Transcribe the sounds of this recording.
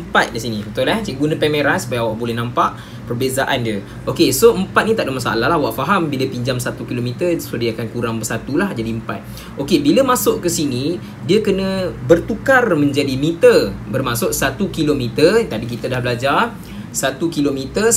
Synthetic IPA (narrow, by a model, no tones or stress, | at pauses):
əmpat̪̚kisinibət̪ʊlaht͡ʃiɡunə̃pɛmeɾansu̥pajawaʔbolɛhnãmpaʔ | pərbezaʔandə | ʔokesoəmpat̪̚nĩt̪aʔdəmasa̰laɦlahwaʔfaɦambiləpiɲd͡ʒamsat̪ukilomit̪ərsodiakankuɾaŋbərsat̪ulahd͡ʒadiəmpa̰t̪̚ | ʔokebiləmãsʊʔkəsini | diəkənə̃bərt̪ukarmə̃ɲd͡ʒadimit̪ərbərmãsʊʔsat̪ukilomĩt̪ərt̪apik̬it̪ədahbəlad͡ʒar | sat̪ukilomit̪ə